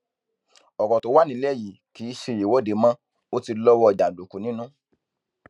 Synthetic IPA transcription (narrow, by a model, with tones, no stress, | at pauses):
ɔ˨kɔ˨to˨˦wa˦˨nĩ˨˦lɛ˦˨ji˨ki˨˦ʃe˧je˨wɔ˨˦˨de˨˦mã˦ | o˦ti˧lɔ˦wɔ˦˨d͡ʒa˨lo˨ku˨nĩ˦nũ˦